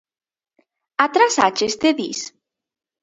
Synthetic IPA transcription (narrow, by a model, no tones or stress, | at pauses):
at̪ɾasat͡ʃest̪eðḭs